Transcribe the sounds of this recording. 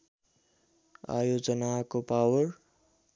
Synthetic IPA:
a̰jod͡zʌnakopawʌr

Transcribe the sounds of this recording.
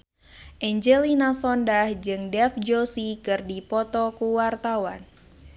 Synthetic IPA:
ʔɛɲd͡ʒelinasɔndahd͡ʒɨŋdɛfd͡ʒosikɨrdipɔt̪ɔkuwart̪awan

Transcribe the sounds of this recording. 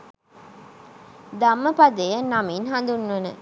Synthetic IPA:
d̪ɐmːəpɐd̪ejɐnːɐmiːnɦɐnd̪unːonə̰

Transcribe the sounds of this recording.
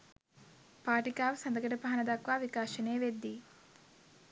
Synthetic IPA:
paːʈikaːʋsɐnd̪ɐɡɐʈɐpaɦɐnɐd̪ɐkʋaːʋikaːʃɐneːʋed̪ːi

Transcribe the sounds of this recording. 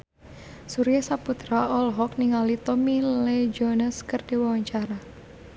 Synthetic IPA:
suɾijasaput̪ɾaɔlɦɔk̚niŋalit̪ɔmilled͡ʒɔnəskərd̥i̤wawaɲt͡ʃaɾa

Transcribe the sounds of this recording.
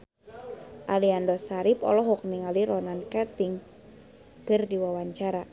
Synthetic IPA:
ʔaliandɔsaɾipɔ̰lɔɦɔk̚niŋaliɾɔnankɛt̪iŋ | kɨrdiwawaɲt͡ʃaɾa

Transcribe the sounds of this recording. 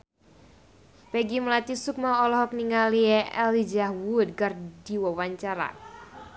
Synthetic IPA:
pɛɡiməlat̪isuk̚maɔlɔɦɔk̚niŋaliɛʔɛ̰lid͡ʒahwud̪̚ɡard̥iwɔwaɲt͡ʃaɾa̰

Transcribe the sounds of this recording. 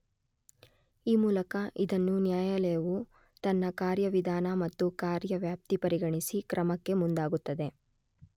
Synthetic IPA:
iːmuːlɐkɐʔid̪ɐnːunjaːjɐlɛjɐʋu | t̪ɐnːɐkaːɾjɐʋid̪ʱaːnɐmɐt̪ːukaːɾjɐʋjaːp̚t̪ipɐɾiɡɐɳisikɾʔɐmɐkːe̞mund̪aːɡut̪ːɐd̪e̞

